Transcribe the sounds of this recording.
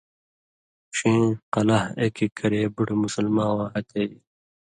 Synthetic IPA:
ɕĩːqɐlɐhekikʰɐɾeːbuʈmusɐlmãːwãːɦɐt̪ʰeːji

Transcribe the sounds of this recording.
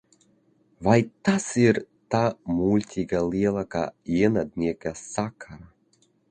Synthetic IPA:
vajt̪asiɾ | t̪aːmulʲt̪ʲʰiɡaliɛlˠaka̰jinad̪nʲiɛkʲassakʰaɾa

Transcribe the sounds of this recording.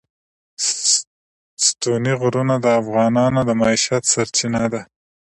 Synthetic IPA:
st̪uniɣɾunad̪əafɣɑnɑnod̪əmɑiʃat̪saɾt͡ʃinad̪a

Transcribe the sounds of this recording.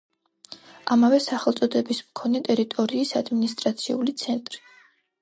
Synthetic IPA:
amavɛsaχɛlˠt̪sʼɔd̪ɛbismkʰɔnɛt̪ʼɛɾit̪ʼɔɾiːsad̪minist̪ʼɾat̪sʰiulit̪sʰɛnt̪ʼɾi̥

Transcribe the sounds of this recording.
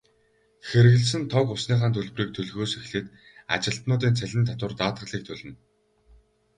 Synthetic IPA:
xeɾɘ̆ɣ̆ɮs̬ɘ̆nt̪ʰɔkʊsniːχaːnt̪ʰɵɮwriːk̚t̪ʰɵɮɣoːsexɮĕːt̪ | a̰t͡ɕɪ̆ɬt̪nʊːt̪̬iːnt͡sʰæɮʲɪ̆nt̪ʰat̪wʊ̆rt̪aːt̪ʁə̆ɮiːk̚t̪ʰɵɮʲɘ̆n

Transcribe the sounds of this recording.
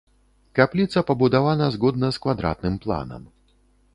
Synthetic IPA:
kaplʲit̪sɐpɐbud̪avanɐzɣɔd̪̚nɐskvad̪ɾa̰t̪̚nɨmplˠa̰nɐ̰m

